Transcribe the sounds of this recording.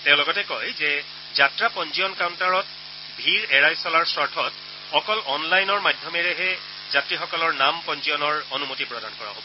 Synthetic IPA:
tɛ̃ʊ̃lɔɡɔtɛkojzɛ | zatɹapɔnzijɔnkawntaɹɔt̚ | bʱiɹɛɹajsɔlaɹsɔɹtʰɔt | ɔkɔlɔnlajnɔɹmadʱjɔmɛɹɛɦɛ | zatɹixɔkɔlɔɹnampɔnziɔnɔɹonumotipɹɔdankɔɹa̰ɦo̰bɔ

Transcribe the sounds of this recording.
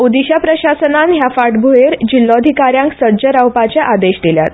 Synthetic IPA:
ud̪iɕapɾəɕasənanɦjafaʈbʱueɾd͡ʑilːɔd̪ʱikaɾjãŋksəɾd͡ʑəɾawpat͡ɕaʔad̪eɕd̪ilja̰t̪̚

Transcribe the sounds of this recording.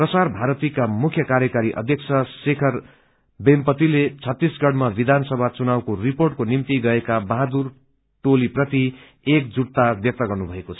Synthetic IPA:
prʌsarbʱaɾʌt̪ikamukʰjʌkaɾjʌkaɾiʔʌ̰d̪ʱjʌk̚t͡sʰʌsekʰʌr | bempʌt̪ilet͡sʰʌt̪ːisɡʌɽmabid̪ʱansʌbʱat͡sunawkoriporʈkonimt̪iɡʌekabaɦad̪ur | ʈoliprʌt̪i | ek̚d͡zuɽ̚t̪abjʌk̚t̪ʌɡʌrnubʱʌekot͡sʰʌ

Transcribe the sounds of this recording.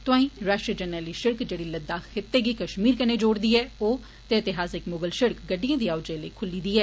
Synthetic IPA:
t̪ʊãːĩːɾaːʃʈɾəd͡ʒənəːliːʃɪɾkd͡ʒeːɽiːləd̪aːxɪt̪ːeːɡiːkəʃmiːɾkəneːd͡ʒoːɽd̪iːɛːoː | t̪eɪt̪ɪɦaːsɪkmʊɡəlʃɪɾkɡəɖːijãːd̪iːaːʊd͡ʒẽlə̰ikʰʊlːiːd̪iːɛː

